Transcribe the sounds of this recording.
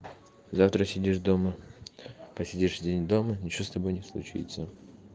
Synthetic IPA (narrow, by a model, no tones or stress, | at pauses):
zaft̪ɾəsʲɪdʲiʂd̪o̞mə | pəsʲɪdʲiʂvdʲenʲd̪o̞mənʲɪt͡ɕɪost̪ɐbo̞jnʲɪslˠʊ̰t͡ɕḭt̪sə